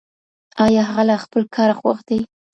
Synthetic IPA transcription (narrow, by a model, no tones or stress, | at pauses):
ɑjɑɦaɣalɑxpəlkʰɑɾaxwa̰xd̪aj